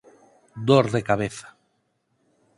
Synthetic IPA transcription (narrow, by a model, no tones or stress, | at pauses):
d̪oɾðekaβ̞eθḁ